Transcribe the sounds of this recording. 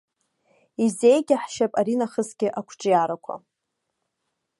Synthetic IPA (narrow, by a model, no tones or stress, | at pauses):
ize̞jɡʲaħʃapʼaɾinaχəzɡʲɪʔakʷʰʈ͡ʂʼjaɾakʷʰa̰